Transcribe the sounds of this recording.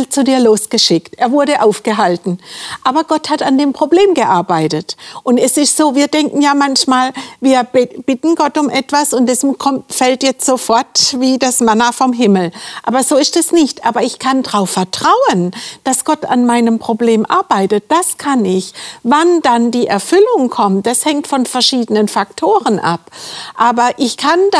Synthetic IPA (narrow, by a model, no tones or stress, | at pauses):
lt͡sudiːɐloːsɡ̥əʃɪktʔeːɐvʊɐɾəʔaʊfɡ̥əɦaltn̩ʔaːbɐɡ̥ɔthatandeːmpʁ̥obleːmɡəʔaɐbaɪtətʔʊntɛsɪstz̥oːviːɐdɛŋkn̩jaːmançmaːlviːɐb̥ɪtn̩ɡɔtʊmʔɛtv̥asʊntdɛskʰɔmfɛltjɛt͡stz̥oːfɔɐtviːdasmanafɔmɦɪml̩ʔaːbɐzoːɪstɛsnɪçtʔaːbɐɪçkʰandʁaʊfɛɐtʁ̥aʊənd̥asɡ̥ɔta̰nmaɪnəmpʁ̥obleːmʔa̰ɐbaɪtət̚d̥askʰanɪçvandandiːʔɛɐfʏlʊŋkʰɔmt̚d̥ashɛŋtfɔnfɛɐʃiːdənənfak̚tʰoːʁənʔa̰pʔaːbɐʔɪçkʰan